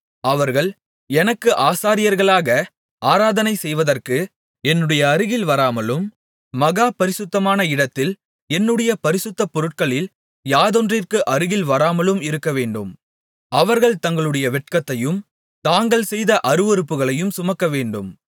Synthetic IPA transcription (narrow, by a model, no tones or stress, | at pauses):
ɐʋɐɾɣɐɭ | ɛnɐkːɯʔaːsaːɾɪjɐɾɣɐɭaːɣɐ | aːɾaːðɐnɐɪsɛjʋɐðɐrkɯ | ɛnːɯɽɐjɐːɾɯɣɪlʋɐɾaːmɐlɯmː | ɐɣaːpɐɾɪsʊt̪ːɐmaːnɐɪɽɐt̪ːɪl | ɛnːɯɽɐjɐpɐɾɪsɯt̪ːɐpːɔɾɯʈ̚kɐɭɪl | jaːðɔndrɪrkɯʔɐɾɯɣɪlʋɐɾaːmɐlɯmɪɾɯkːɐʋeːɳɖɯm | ɐʋɐɾɣɐɭt̪ɐŋɡɐɭɯɽɐjɐʋɛʈkɐt̪ːɐjɯm | t̪aːŋɡɐɭsɛjðɐʔɐɾɯʋɔɾɯpːɯɣɐɭɐjɯmsʊmɐkːɐʋeːɳɖɯm